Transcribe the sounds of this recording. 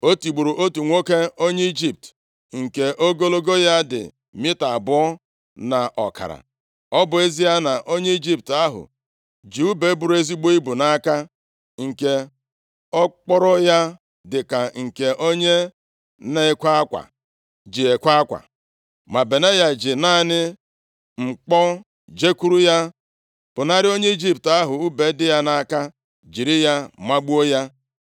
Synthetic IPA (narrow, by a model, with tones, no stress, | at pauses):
o˦tu˨ɡ͡bu˨ɾu˨ʔo˦tu˨ŋʷo˦ke˦o˦ɲe˦i˦d͡ʒi˦p̚t | ŋ̩˨ke˨ʔo˦ɡo˦lo˦ɡo˦ja˦dɪ̰˨ | mɪ˦ta˨bʊ˦ɔ˦ | na˨ʔɔ˨ka̰˨ɾa̰˨ | ɔ˦bʊ˨e˦zi˦ja˦na˨ʔo˦ɲe˦i˦d͡ʒi˦p̚ta˦ɦʊ̰˨ | d͡ʒu˦u˦be˦bu˨ɾe˦zi˦ɡ͡bo˦i˦bu˨na˦ka˦ | ŋ̩˨ke˦ | ɔ˦k͡pɔ˦ɾɔ˦ja˦ | dɪ˨ka˨ŋ̩˨ke˨ʔo˦ɲe˦ | ne˦kʷa˦a˦kʷa̰˨ | d͡ʒi˨e˨kʷa˦a˦kʷa̰˨ | ma˨be˨ne˦ja˨d͡ʒɪ˨na˦˨nɪ˦ | ŋ͡m̩˨k͡pɔ˦ | d͡ʒe˦ku˦ɾu˦ja˦ | b̥ʊ˨na˦ɾɪ˦o˦ɲe˦i˦d͡ʒi˦pta˦ɦʊ˨u˦be˨˦dɪ˦ja˦na˦ka˦ | d͡ʒi˨ɾɪ˦ja˦ma˦ɡ͡bu˦o˦ja˦